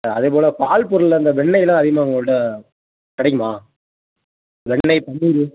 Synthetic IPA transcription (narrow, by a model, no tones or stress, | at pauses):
ɐðeːp̬oːlɐpaːlpʊɾɯlːɐnd̪ɐʋɛɳːɐɪlãːɐðɪɣɐmaːʊŋɡɐɭɽɐ | kɪɽɐɛkːɐmaː | ʋɛɳːɐɪpɐɳːɪɾɯ